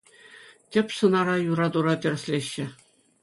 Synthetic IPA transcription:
tʲɘ̆pʲsɤ̆nɑɾɑjuɾɑd̪uɾɑtʲɘ̆rʲsʲlʲeɕːɘ̆

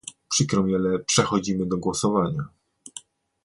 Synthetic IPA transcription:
pʂɘkɾɔmʲjɛlɛpʂɛxɔd͡ʑimɘd̪ɔɡwɔsɔvaɲa

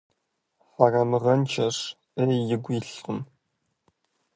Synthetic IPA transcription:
ħarɐmɨʁɐnt͡ʃʰɐʂ | ejɪɡʷiɬqʊm

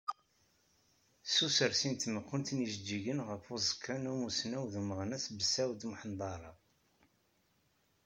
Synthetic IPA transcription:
susəɾsint̪məqːʊnt̪nəʒəd͡ʒːiʝənʁəfuzəkːanumusnæwðuməʁnæsbəsæwd̪mħənd̪ˤɑɾˤɑ

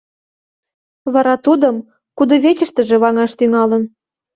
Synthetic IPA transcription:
βɑɾɑt̪ud̪əm | kud̪ɤ̆βet͡ɕə̆ʃt̪ə̆ʒĕβɑŋɑʃt̪yŋɑlə̆n

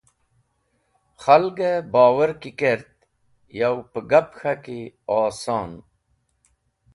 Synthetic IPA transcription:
xalɡəbɑːwəɾkikeɾt̪ | jawpəɡapxakiɑːsɑːn

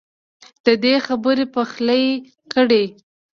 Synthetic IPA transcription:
d̪̥əd̪exabəɾepəxləj | kəɽe

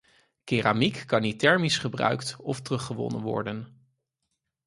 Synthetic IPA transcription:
keːramikːɑnitɛɹmisχəbrœ̰ɥktɔftərɵχəʋɔ̰nə̰nʋɔ̰ɹdən

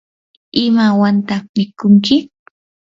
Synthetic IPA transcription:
ɪmawant̪amɪkʊŋkɪ

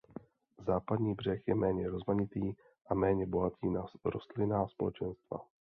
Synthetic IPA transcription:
zaːpad̪ɲiːbr̝ɛxjɛmɛːɲɛɾo̞zmaɲɪt̪iː | ʔamɛːɲɛbo̞ɦat̪iːnaɾo̞st̪lɪnaːspo̞̰lɛ̰t͡ʃɛnst̪va̰

